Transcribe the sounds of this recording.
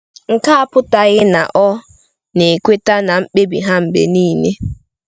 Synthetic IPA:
ŋ̩˨ka˦a˦pʊ˦ta˨ɣɪ˦na̰˨ʔɔ˦ | ne˨kʷe˦ta˦na˨m̩˦k͡pe˦bḭ˨ɦa˦m̩˨bḛ˨niː˦ne˦

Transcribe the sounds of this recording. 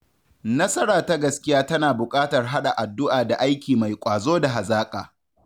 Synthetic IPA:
nɐ˦sɐ˦ɽaː˨ta˦ɡɐ˨skʲɪ˦jaː˦tɐ˦naː˨bʊ˨kʼaː˦tɐ˨rɦa˦ɗa˨ʔa˨dːʊ˦ʔaː˨da˨ʔa˦jkʲiː˨ma˨jkʷʼaː˨zoː˦da˨ɦa˨zaː˦kʼa̰ː˨

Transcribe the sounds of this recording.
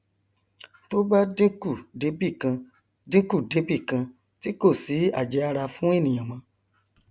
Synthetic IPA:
to˦ba˦dĩ˦ku˦˨de˨˦bi˦˨kã˧ | dĩ˦ku˦˨de˨˦bi˦˨kã˧ | ti˦ko˦˨si˨˦a̰˦˨d͡ʒɛ˨˦a˧ɾa˧fũ˦e˦˨nĩ˨j̃ã˨mã˧

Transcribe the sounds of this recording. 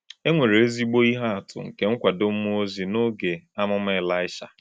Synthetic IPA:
e˦ŋʷe˨ɾe˨e˦zi˦ɡ͡bo˦i˦ɦa˦a˨tʊ̰˨ŋ̩˨ke˦ŋ̩˦kʷa˨do˦m̩˦mu˦o˦zi˨no˦ɡe˨a˦mʊ˦m˦e˦˨la˦ɪ˦ʃa̰˨

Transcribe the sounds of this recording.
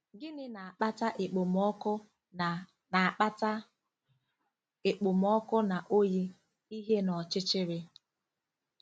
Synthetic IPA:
ɡɪ˦nɪ˦na˨a˨k͡pa˦ta˦ʔɪ˨k͡pʊ˨mɔ˦kʊ˦ | a˨k͡pa˦ta˦ | ɪ˨k͡pʊ˨m˨ɔ˦kʊ˦na˨ʔo˦ji˦ | i˦ɦe˦nɔ˨t͡ʃɪ˦t͡ʃɪ˦ɾɪ˦

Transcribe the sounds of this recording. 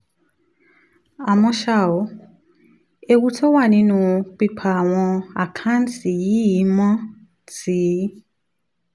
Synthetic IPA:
a˨mɔ̃˦ʃa˦˨ɔ˨˦ | e˨wu˦tʰɔ˦wa˦˨nĩ˦nʊ̃˨k͡pi˦pʰa˨w̃ɔ̃˧a˨kʰã˦n̩˦tʰi˨ji˦ji˨˦mɔ̃˦ | tiː˨˦

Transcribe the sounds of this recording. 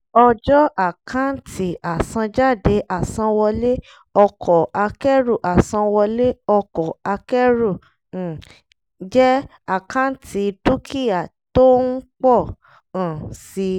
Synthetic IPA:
ɔ˧d͡ʒɔ˦ʔa˦˨kʰã˦n̩˦tʰi˦a˨sã˧d͡ʒa˦˨de˨˦ʔa˦˨sã˧wɔ˧le˦ | ɔ˧kʰɔ˨a˧kɛ˦ɾu˦˨ʔa˨sã˧wɔ˧le˦ɔ˧kɔ˨a˧kɛ˦ɾũ˦˨ | d͡ʒɛ˦ | a˦˨kã˦tʰi˧du˦kʰi˦ja˨to˦n̩˦k͡pɔ˦˨ | ã˨si˧

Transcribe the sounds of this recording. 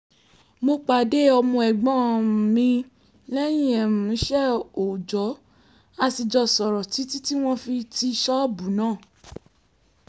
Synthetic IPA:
mo˧k͡pa˨de˦ɔ˧mɔ̃˧ɛ˨ɡ͡bɔ̃˦˨mĩ˧ | lɛ˦j̃ĩ˦˨ɛ˨mũ˨˦ʃɛ˦o˨d͡ʒɔ˨˦ | a˧ti˧d͡ʒɔ˧sɔ˨ɾɔ˨ti˨˦ti˦ti˦w̃ɔ̃˦fi˧ti˧ʃɔ˦˨bu˨˦nãː˦˨

